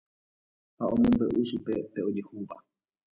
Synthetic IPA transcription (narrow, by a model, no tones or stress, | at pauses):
haõmõmb̪əʔɨʃupe̞pe̞o̞d͡ʒehuʋa